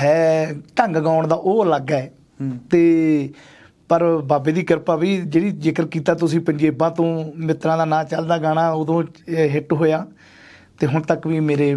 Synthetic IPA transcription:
ɦɛːʈəŋɡɡãːʊɳd̪aːʔoːləɡaːɛː | t̪eː | pəɾbaːbeːd̪iːkəɾpaːʋiːd͡ʒeːɽiːd͡ʒɪkəɾkiːt̪aːt̪ʊsĩːpəɲd͡ʒeːbãːt̪õːmɪt̪ɾãːd̪aːnãːt͡ʃəld̪aːɡaːɽaːoːd̪õːɦɪʈɦoːjaː | t̪eːɦʊɳt̪əkʋiːmeːɾeː

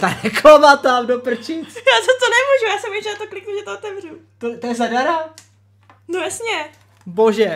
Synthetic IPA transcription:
t̪anɛklomat̪amdopr̩t͡ʃijaːzast̪onɛmuʒujaːsɛmɛt͡ʃnat̪oklɪknuʒɛt̪oot̪ɛvr̝ut̪ot̪ojɛzadaɾa | nojasɲɛ | boʒɛ

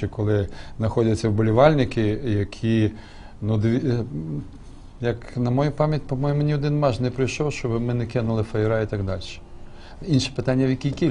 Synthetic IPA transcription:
ɛkɔlˠɪznɐxɔdʲɐt͡sʲːɐwbʊlʲiʋɑlʲnɪkɪjɐkʲʰi | nud̪ʋʲi | jɐknɐmɔjupɑmʲjɐtʲpɔmɔjʊmʊnʲiɔd̪ɪnmɑʒnɛpɾɪjʃɔwʃt͡ʃɔbɪmɪnɪkʲɪnʊlˠɪfɐjɪɾɑit̪ɐɡd̪ɑlʲʃɛ̥ | inʃɛ̥pɪt̪ɑnʲːɐwjɐkʲikʲi

